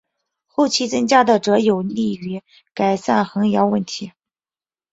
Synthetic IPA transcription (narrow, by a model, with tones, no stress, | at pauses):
xo˥˧ʊt͡ɕʰi˥˩t͡sɤ˥ŋt͡ɕja˥d̪ə˨ʈ͡ʂɤ˧˥jo˨˩ʊli˥˩y˧˥ | ka˨˩ɪsa̰˥˩nxɤ˧˥ŋljɑ˧˥ʊwə˥˩nt̪ʰi˧˥